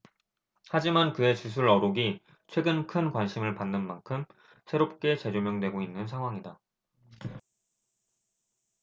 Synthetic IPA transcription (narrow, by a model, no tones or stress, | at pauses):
had͡ʑimankɯe̞t͡ɕus̬ʰuɾʌɾoɡi | t͡ɕʰwe̞ɡɯnkʰɯnkwanɕʰimɯɭpanːɯnmankʰɯm | sʰe̞ɾop̚k͈e̞t͡ɕe̞d͡ʑomjʌŋdwe̞ɡoinːɯnsʰaŋɦwaŋida